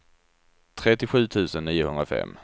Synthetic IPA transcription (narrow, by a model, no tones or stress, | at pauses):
t̪ʰɾɛt̪ɪɧʉ̟ːt̪ʰʉ̟ːsənːiːʊhɵnd̪ɾafɛ̰mː